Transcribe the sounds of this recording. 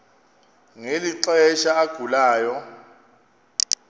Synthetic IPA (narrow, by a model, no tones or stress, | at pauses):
ŋeliǁɛʃaːɡ̥ʱulaːjɔ